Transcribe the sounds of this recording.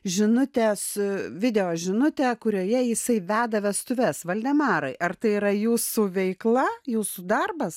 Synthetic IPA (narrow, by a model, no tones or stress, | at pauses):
ʒʲɪnʊt̪ʲesʋʲɪd̪ʲɛjoːʒʲɪnʊt̪ʲɛːkʊɾʲoːjɛjɪsɐɪʋʲæːd̪ɐʋʲɛst̪ʊʋʲɛsʋɐlʲd̪ʲɛmɑːɾɐɪʔɐrt̪ɐɪiːɾɐjuːsuʋʲɛɪklˠɐjuːsud̪ɐrbɐs